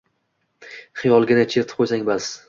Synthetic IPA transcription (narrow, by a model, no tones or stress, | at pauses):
χɨjɒlˠɡʲɪnat͡ʃʰeɾt̪ʰɪ̥p̚qʰojsaŋbas